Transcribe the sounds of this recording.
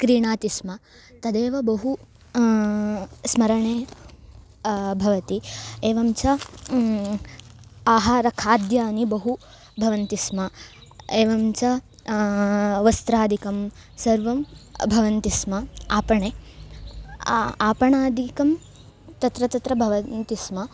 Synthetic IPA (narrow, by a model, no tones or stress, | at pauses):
kɾiːɳaːt̪ismɐ | t̪ɐd̪eːʋɐbɐɦu | smɐɾɐɳeː | bʱɐʋɐt̪ieːʋɐmt͡ʃɐ | aːɦaːɾɐkʰaːd̪jaːnibɐɦu | bʱɐʋɐnt̪ismɐ | eːʋɐmt͡ʃɐ | ʋɐst̪ɾaːd̪ʱikɐm | sɐɾʋɐmbʱɐʋɐnt̪ismɐaːpɐɳeː | aːpɐɳaːd̪ʱikɐm | t̪ɐt̪ɾɐt̪ɐt̪ɾɐbʱɐʋɐnt̪ismɐ